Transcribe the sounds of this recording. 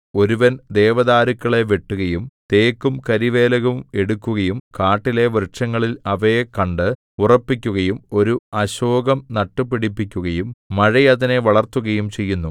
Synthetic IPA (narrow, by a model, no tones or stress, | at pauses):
o̞ɾuʋɐnd̪e̞ːʋɐðaːɾukːɐɭe̞ʋe̞ʈːuɣɐjumt̪e̞ːkːumkɐɾiʋe̞ːlɐɣume̞ɽukʲːuɣɐjumkaːʈːile̞ʋrɨʂɐŋːɐɭilɐʋɐekɐɳɖɨ | urɐpːikʲːuɣɐjumo̞ɾuɐɕoːɡɐmnɐʈːɨpiɽipːikʲːuɣɐjumːɐɻɐjɐðine̞ʋɐɭɐrt̪uɣɐjumt͡ɕe̞jːunːu